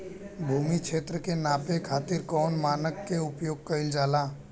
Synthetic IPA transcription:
bʱuːmikʃʰeːt̪ɾəkenaːpekʰaːt̪ɪɾkɔːnmaːnəkːeʊpjoːɡ̚kəɪld͡ʒaːlaː

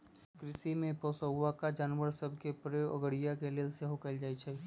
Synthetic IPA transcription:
kɾɪsimẽpoːsəɦʊʋakad͡ʒaːnʋəɾsəbʱkepɾjoʔəɡəɽijakeleːlseɦokaɪld͡ʒaːit͡ʃʰai

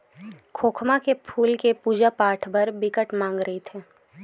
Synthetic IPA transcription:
kʰoːkʰmakepʰuːlkepuːd͡ʒapaːʈʰbɐɾbɪkəʈmãːŋɡɾəɦet̪ʰɛː

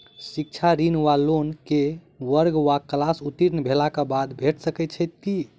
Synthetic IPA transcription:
sik̚t͡ʃʰaɾinʋalonke | ʋəɾɡʋaklasut̪iɾnbʱelakabad̪bʱeʈsəkɛt̪t͡ʃʰɛt̪̚ki

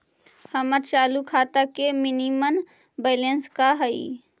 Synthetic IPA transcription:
həməɾt͡ʃaːlukʰaːt̪akemɪnimən | beːlenskaɦəḭ

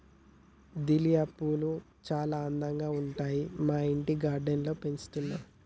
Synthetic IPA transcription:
d̪ilijaːpulu | t͡ʃaːlaːnd̪ɐŋɡaːuɳʈaːjimaːiɳʈiɡaːɾɖenlo̞ːpent͡ʃu̥t̪unːa

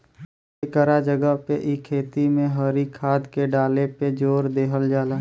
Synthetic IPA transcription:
ekəɾad͡ʒəɡəɦpeʔɪkʰːeːt̪imẽɦəɾikʰaːd̪keɖaːleped͡ʒoːɾd̪eːkəld͡ʒaːlaː

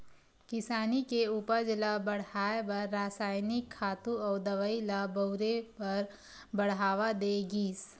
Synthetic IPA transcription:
kɪsaːnikeuːpəɾd͡ʒlabɐɽ̤haːebɐɾːaːsaːɪnɪkʰːaːt̪ũɔːɾd̪ɐʋəilabəɾepɐɾ | bɐɽ̤ɦaːʋad̪eɡiːs

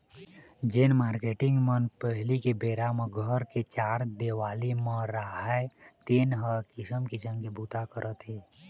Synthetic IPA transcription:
d͡ʒenmaːɾkeːʈɪ̃ŋɡmənpəɦlikebeːɾamẽɡʱəɾket͡ʃaːɾd̪eːʋaːlimə̃ɾaɦat̪eːnɦəkɪsəmkɪsəmkebuːt̪akəɾʔət̪ɦi

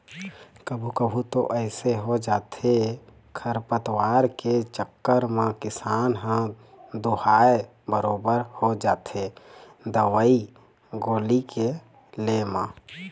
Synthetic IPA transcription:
kəbʱukəbʱut̪o̰ʔɛɪseɦod͡ʒaːt̪ʰe | kʰəɾpət̪waːɾket͡ʃəkːəɾmãkɪsaːnɦə̃ | d̪uhaːe | bəɾoːbəɾhod͡ʒaːt̪e | d̪əʋəi | ɡoːlike | lemãː

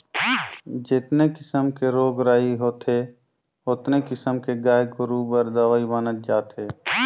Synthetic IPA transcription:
d͡ʒɪt̪nekɪsəmkeɾoːɡɾaːiɦoːt̪ʰe | ʊt̪nekɪsəmkeɡaːjɡoɾuːbəɾd̪əʋaːibənət̪̚d͡ʒaːt̪eː

